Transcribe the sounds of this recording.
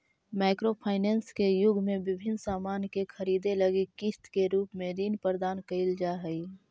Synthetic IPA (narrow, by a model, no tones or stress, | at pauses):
maɪkɾopʰaːɪnɛːnskejʊɡʱmẽbɪbʱɪnsaːmaːnkekʰəɾiːd̪eləɡikist̪keɾuːpmẽɾinpəɾd̪aːnkəɪld͡ʒaɦəi